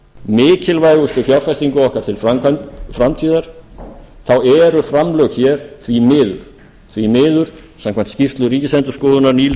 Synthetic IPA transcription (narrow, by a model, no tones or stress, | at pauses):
mɪːcɪlvajɣʏst̪ʏfjawɾfajst̪iŋkʏɔhkaɾt̪ʰɪlfɾamkʰafɾamt̪ʰiːðaɾ̥ | θawɛɾʏfɾamlœxçɛːɾ̥θvimɪːðʏ̰ɾ̥ | θvimɪːðʏɾ̥ | sãmkʰvan̥t̪scir̥t̪lʏɾiːcɪsɛnt̪ʏ̥skɔːðʏnaɾniːl